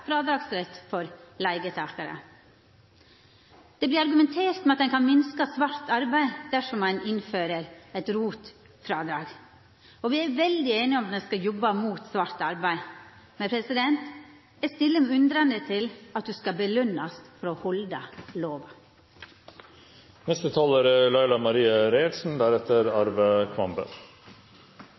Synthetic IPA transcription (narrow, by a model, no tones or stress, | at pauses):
fɾɑːd̪ɾɑːɡsɾɛt̪fɔɾlæɪɡət̪ʰɑːkɑɾə̰ | d̪̥ɛblɪɾɑɾɡʉmɛnt̪ʰeːɾt̪mɛɑt̪d̪ɛnkʰɑnmɪnskəsʋɑɾt̪ɑɾbæɪd̪̥æʂɔmɑnɪnføːɾəɾɛt̪ɾuːt̪ | fɾɑːd̪ɾɑ̰ːɡ | ɔʋɪæɾʋɛld̪ɪeːnɪɔmɑt̪d̪ɛskɑjɔbːɑmuːt̪sʋɑɾt̪ɑɾbæɪ | mɛnpʰɾɛsɪd̪ɛnt̪ | ɛst̪ɪlːəmɛʉnd̪ɾɑnd̪ət̪ʰɪlɑt̪̚d̪ʉskɑbəlʉnːɑst̪fɔɾɔhɔld̪ɑloːʋɑ | mɛst̪ət̪ʰɑːləɾəlɑɪlɑmɑɾiːəɾeːlsn̩d̪æɾɛt̪əɾɑɾʋəkʰʋɑmbə̰ɾ